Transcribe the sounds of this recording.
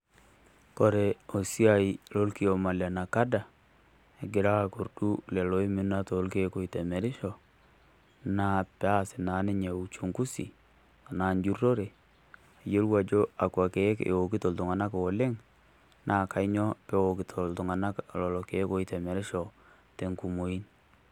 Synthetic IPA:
kɔ˨ɾe˨o˨si˦a˨i˨lo˦lki˦o˨ma˨la˨na˨ka˦da˨ | e˨ɡɪ˨ɾa˦˨ko˨ɾdu˦lɛ˨lo˦i˦mɪ˦na˦to˨˦lke˦ko˨i˨tɛ˨mɛ˨ɾɪ˦ʃɔ˨ | na˦pa˦˨sɪ˨na˨˦nɪ˦ɲe˨u˨t͡ʃu˨ŋku˦sḭ˨ | a˨na˨nd͡ʒu˦ro˦ɾe˨ | a˨jo˦lwa˨d͡ʒo˦a˨ka˨ke˨˦kḛ˨o˨kɪ˦to˨ltu˨ŋa˨na˦ko˨le˦ŋ | nʔa˦˨ka˨˦ɲɔ˦pɛ˦o˨ki˨tʰo˨ltu˨ŋa˨na˦klɔ˨lɔ˨ke˨˦ko˦i˦tɛ˨mɛ˨ɾɪ˦ʃɔ˨ | te˨ŋku˨mo˨i˦n

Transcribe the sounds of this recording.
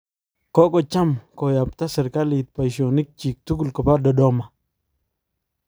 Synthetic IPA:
kɔ˦kɔ˨t͡ʃa˦mko˨ja˨p̚ta˦sɪ˨ɾka˦li˨t̪̚pa˨jso˨ni˦k̚t͡ʃi˨k̚tu˦ɡu˦lkɔ˨pa˦dɔ˨dɔ˦ma˨

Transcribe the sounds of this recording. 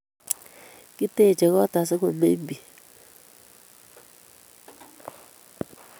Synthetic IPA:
ki˦te˦˨t͡ʃɛ˨ɣɔ˦ta˨s̬ɛ˦ko˨mḛ˦m˦bi˨

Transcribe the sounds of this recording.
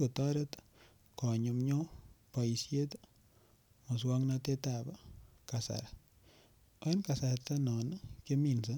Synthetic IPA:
ko˨tɔ˦ɾe˦t̪ | kɔ˨ɲo˨mɲo˦pa˨i˨sje˦t̪ | mo˨swɔ˦ŋna˦te˦ta˨ba˦ka˨sa̰˨ɾa˨ | o˦e˦nka˨sa˨ɾta˦nɔ˨n˦ke˦mi˨nsa˦

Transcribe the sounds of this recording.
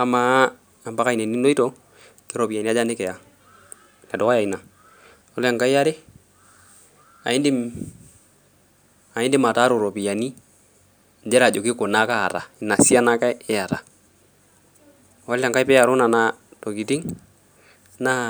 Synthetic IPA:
a˦ma˦ | a˨mba˦ka˦i˨ne˨ni˦no˦i˦tɔ˦ | ke˦ɾo˨pi˨a˨ni˦a˦d͡ʒa˦ne˦kɛ˨a˨ | nɛ˨dɔ˨ka˦ja˨i˨na˨ | o˦le˨ŋka˦i˦a˦ɾe˦ | a̰˨ɪ˦ndi˦m | a˨ɪ˦ndɪ˦ma˨ta˦ɾo˨ɾo˨pi˨ja˨ni˦ | nd͡ʒɛ˦ɾa˨d͡ʒo˨kɪ˦ko˨na˦kaː˦˨ɾa̰˨i˨na˨si˦a˦na˦ka˦ɪ˦a˨ɾa˨ | o˦la˨ŋka˦i˦pɛ˦a˨ɾo˦na˨na˨˦to˨ki˨ti˦ŋ | na˦

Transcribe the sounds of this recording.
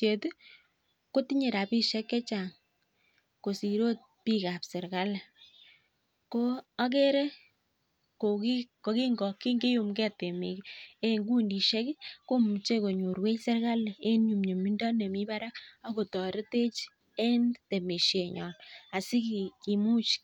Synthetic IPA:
se˨t | ko˦ti˦ɲe˨ɾa˨pi˦ʃɛ˦kːɛ˦t͡ʃa˨ŋ | ko˨si˨ɾo˦t̚pi˦ka˨psɪ˨ɾka˦lɛ˨ | ko˦a˦ke˦ɾe˦ | ko˨ki˦ko˨ki˦ŋɡɔ˨kːi˦ŋɡe˦ju˨mkɛ˦te˨mḭ˨ke˦ŋɡu˦ndi˨ʃe˦kko˦m˨t͡ʃe˦ko˨ɲu˨ɾwe˦sɪ˦ɾka˦le˨e˦nɲu˨mɲe˨mi˦ndɔ˦ne˨mi˦ba˦ɾa˦ka˦ko˨tɔ˨ɾe˦te˦t͡ʃ | e˦nte˨me˨ʃje˨ɲɔ̰˨na˨si˦ki˨ki˨mu˦t͡ʃ

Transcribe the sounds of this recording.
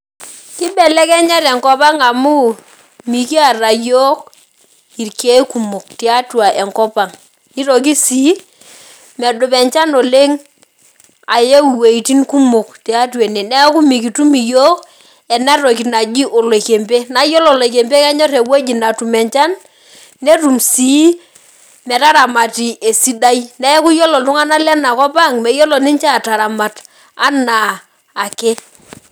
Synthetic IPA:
ki˦bɛ˨lɛ˦kɛ˦ɲa˦ɾɛ˨ŋkɔ˦pa˦ŋa˨mu˦ | mi˨ki˦a˨ra˨jɔ˦k̚ | i˨ɾke˦ku˨mʊ˨k̚ti˨˦a˦twa˨ʔɛ˨ŋkɔ˦pa˨ŋ | i˦ɾɔ˨k̬i˦si˦ | mɛ˨dʊ˨pɛ˨ɲt͡ʃa˦no˨le˦ŋ | a˨je˦wi˨we˨i˨ti˦nku˦mʊ˨k̚ti˨a˦twe˨ne˨nɛ˦ku˦mi˨ki˨tu˦mi˨jɔ˦k | ɛ˨na˦ɾo˨ki˨na˨d͡ʒi˦ʔo˨lo˨ke˨mpe˦na˦jɔ˦lɔ˨lo˨k̬e˨mpe˦ka˦ɲɔ˦ɾe˨wo˦d͡ʒi˨na˨tu˨mɛ˨ɲt͡ʃa˦nː | e˦tu˨msi˨˦ | mɛ˨ta˦ɾa˨ma˨ti˨ʔe˨si˦da˦i˦nɛ˦ku˦jɔ˦lɔ˨ltʊ˦ŋa˦na˦lɛ˦na˨kɔ˦pa˦˨ŋmɛ˨jɔ˦lɔ˨ni˦t͡ʃa˦˨ta˨ɾa˨ma˨t | a˦na˨ | a˨ke˦

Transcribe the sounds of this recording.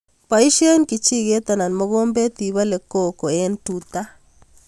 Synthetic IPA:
pa˨i˦ʃje˦nki˨t͡ʃi˦ɣe˦t̪a˨na˨n˨mo˦ɣo˦mbe˦t̪i˨βa˦le˨ko˦ko˨e˦ntu˦t̪a˦

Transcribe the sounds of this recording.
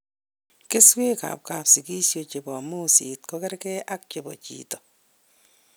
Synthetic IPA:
kɪ˦swe˦ka̰˨p̚ka˨psi˨ki˦sjo˨t͡ʃe˨bɔ˨mu˦sit̚kɔkɛ˦ɾkɛ˦ʔa˦k̚t͡ʃe˨bɔ˨t͡ʃḭːtɔ˨

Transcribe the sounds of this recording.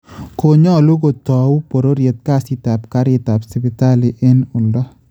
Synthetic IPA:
ko˨ɲɔ˦lu˦ɡo˨t̪ɔ˨wpo˨ɾo˦ɾje˨t̪̚ka˦sit̪a˨p̚ka˦ɾɪt̪a˨psi˨bɪ˨t̪a˦li˨ʔe˦nʊ˨ndɔ˦

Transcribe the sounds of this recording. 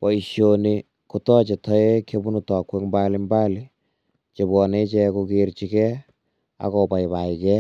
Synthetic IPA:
pɔ˨i˨ʃjoni˨ | ku˨tɔ˦t͡ʃe˨tʰɔ˦e˦ke˦bu˦nu˨tɔ˨kwɛ˦kmba˦li˦mba˦li˦ | t͡ʃe˨bwɔ˨ne˦t͡ʃɛ˦ku˧keɾt͡ʃi˨kɛ˦ | a̰˦kɔ˨pa˨i˨ba˨i˨kɛ˦

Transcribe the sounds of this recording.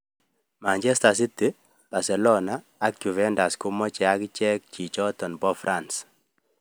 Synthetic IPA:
ma˨ɲd͡ʒɛ˦sta˨s̬i˦t̪e˦ | b̥a˨sɛ˨lɔ˦naː˨˦kju˨vɛ˦nda˨sko˦mɔ˦t͡ʃɛ˨a˦kt͡ʃɛ˦k̚t͡ʃi˨t͡ʃɔ˦tɔ˨nbɔ˦fɾʔans

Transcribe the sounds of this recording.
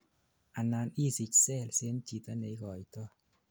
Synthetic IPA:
ʔa˨na˧ni˦˨si˧˨c̚sɛ˦˨lse˧˦nt͡ʃi˨t̪a˧ne˨˦ɡɔ˨jt̪ɔ˧

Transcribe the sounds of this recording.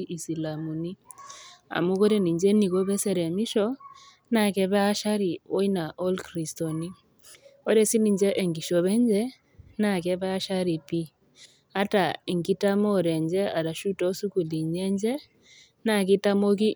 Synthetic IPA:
ʔi˨si˨la˨mu˨ni˦ | a̰˨mu˦kɔ˦ɾɛ˦ni˨ɲd͡ʒɛ˦ni˨ko˦βɛ˦sɛ˨ɾɛ˨mi˦ʃɔ˦ | na˨kɛ˦βa˦a˦ʃa˦ɾi˨o˦i˦na˨ʔɔ˦lkɾi˨stɔ˨ni˦ | ɔ˦ɾɛ˦si˦ni˨d͡ʒɛ˦ʔɛ˨ŋɡi˨ʃɔ˨βɛ˦ɲd͡ʒɛ˦ | na˦˨kɛ˦βa˦a˦ʃa˦ɾi˨pi˦ | a˦ta˨i˨ŋɡi˦ta˦mɔ˦˨ɾɛ˨ɲd͡ʒɛ˦a˨ɾa˨ʃu˦tɔ˦su˦ku˨li˨ɲɛ˦ɲd͡ʒɛ˦ | na˨ki˦ta˦mo˦k̬i˦

